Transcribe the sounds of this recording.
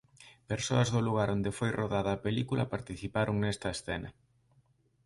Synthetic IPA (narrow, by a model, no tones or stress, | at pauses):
peɾsoɐzðʊluɣaɾond̪efojrʔoðaðɐːpelikulɐ̰paɾt̪iθipaɾʔoŋnɛst̪ɐesθɛnɐ